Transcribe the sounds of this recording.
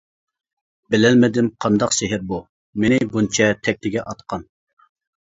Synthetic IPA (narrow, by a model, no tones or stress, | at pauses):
bɪlɛlmɪd̪ɪmqʰɑnd̪ɑqseɦɪɾbu | menɪbunt͡ʃʰɛt̪ʰɛk̚ʲt̪ɪɡʲɛʔɑt̪qʰɑn